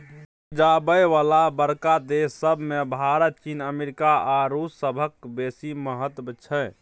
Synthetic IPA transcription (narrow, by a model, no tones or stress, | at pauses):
d͡ʒabəjʋalabəɾkad̪esːəbʱmebʱaɾət̪̚t͡ʃinəmeɾikaaɾusːəbʱəkbesiməɦət̪bət͡ʃʰə